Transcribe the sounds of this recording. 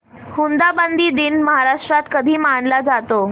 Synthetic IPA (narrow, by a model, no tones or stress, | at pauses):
hund̪abənd̪ʱiːd̪inməɦaɾaʂʈɾat̪kəd̪ʱiːmaɳlad͡zat̪o